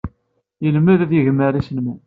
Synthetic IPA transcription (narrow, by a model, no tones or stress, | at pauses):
jəlmːəðæðjəʝmːəɾisənmu